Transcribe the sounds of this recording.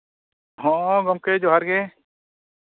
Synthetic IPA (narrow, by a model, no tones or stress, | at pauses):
hɔ̃ʔɔ̃ɡɔmkɛd͡ʒɔɦaɾɡɛ̃